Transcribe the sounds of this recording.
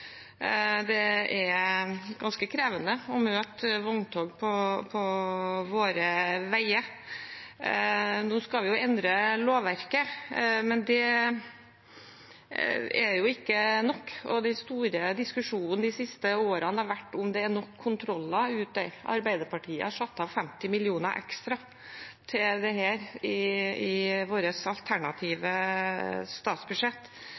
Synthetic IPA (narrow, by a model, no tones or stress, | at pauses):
d̪ɛɛɾɡɑnskəkʰɾeːʋənəɔmøːt̪ʋɔŋt̪ʰoːɡpʰɔpʰɔʋoːɾəʋæɪə | nuːskɑʋɪjʊɛnd̪ɾəloːʋæɾkəmɛnd̪ɛ | ɛɾjʊɪkːənɔkːɔ̰d̪æɪst̪uːɾəd̪ɪskʉʂuːnn̩d̪ɪsɪst̪əoːɾɑnhɑɾʋæʈːʊmd̪ɛænɔkʰːʊnt̪ʰɾɔlːɑʉːt̪ɛɑ̰ɾbæɪd̪əɾpɑʈʰiːə̰hɑʂɑt̪ːɑːʋfɛmt̪ɪmɪlɪuːnəɾʔɛ̰kst̪ɾɑ | t̪ʰɪld̪ɛhæːɾɪɪʋoːɾəsɑlt̪ʰæɳɑt̪ʰiːʋə | st̪ɑːt̪sbʉʂɛt̪ː